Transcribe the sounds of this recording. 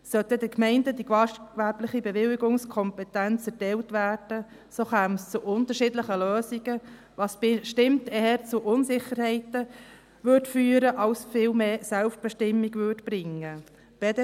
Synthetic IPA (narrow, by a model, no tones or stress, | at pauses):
sœtədɪkmɛɪndədikʋɑkʋæɾblɪχibɛʋɪlːɪɡʊŋskʰɔmpɛtænt͡sɛɾtɛltʋæːɾd̥ə | soːχæːmst͡sʊʔʊntəɾʃɪdləχəløːsiɡ̥ə | ʋɑsʃtɪmtɛːəɾt͡sʊʔʊnsɪχəɾhɛɪtə | ʋʏdfyːəɾəʔɑlsfɪːlmeːsælftb̥ɛʃtɪmːiɡʋʏdb̥ɾɪŋːə | b̥ɛd